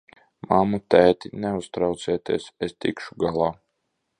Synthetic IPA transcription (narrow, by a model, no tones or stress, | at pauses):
mamut̪æːt̪inɛust̪ɾawt̪siɛt̪iɛsest̪ḭkʃuɡalˠaː